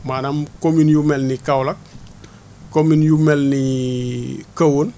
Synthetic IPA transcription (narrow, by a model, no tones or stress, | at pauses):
maːnamkominjumelnikawlak̚ | kominjumelni | kəwun